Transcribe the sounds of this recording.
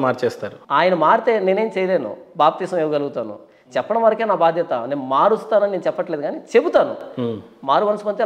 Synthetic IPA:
maːɾt͡ʃɛːst̪aːɾuaːjɐnɐmaːɾit̪e̞ːne̞ːneːmt͡ʃɛːjɐle̞ːnṵbaːp̚t̪iːsɐmeːʋɐɡɐluɡut̪aːnṵ | t͡ʃɛpːɐɽɐmʋɐɾɐkeːnaːbaːd̪ʱjɐt̪ɐne̞ːnumaːɾust̪aːnɐninenut͡ʃɛpːɐʈle̞ːd̪ɡaːnit͡ʃe̞but̪aːnṵmaːɾuʋɐnɐsupɐnt̪e

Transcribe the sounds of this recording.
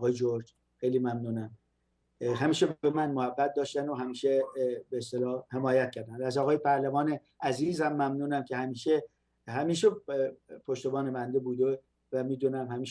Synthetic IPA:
ɣɒːjed͡ʒoɾd͡ʒ | xejliːmæmnuːnæm | ɦæmiːʃebbemænmohæbːæt̪̚d̪ɒːʃt̪ænd̪oɦæmiːʃebeːst̪elɒːhe̞mɒːjæt̪̚cʰæɾd̪ænd̪ææzɒːɣɒːjepʰæɾlævɒːne | ʔæziːzhæmːæmnuːnæmcʰe̞hæmiːʃe | hæmiːʃepʰoʃt̪obɒːnebænd̪ebuːd̪e | væmiːd̪uːnæmhæmiːʃ

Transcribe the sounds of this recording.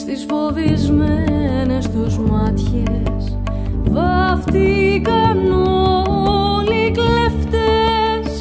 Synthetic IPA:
st̪isfo̞vizmenest̪uzmɐt̪çes | vɐft̪ikɐnoo | likleft̪es

